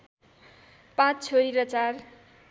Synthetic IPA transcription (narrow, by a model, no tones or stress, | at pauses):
pãt͡st͡sʰoɾiɾʌt͡sar